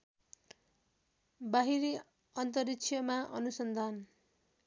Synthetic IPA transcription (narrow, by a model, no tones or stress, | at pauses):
baɦiɾi | ʌnt̪ʌriksʰjʌmaʔʌ̰nusʌnd̪ʱan